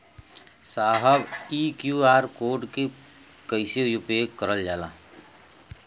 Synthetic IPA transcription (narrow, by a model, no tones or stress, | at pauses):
saːɦəbiːkjuaːɾkoːɾɖke | kəɪsejʊpekəɾəld͡ʒaːlaː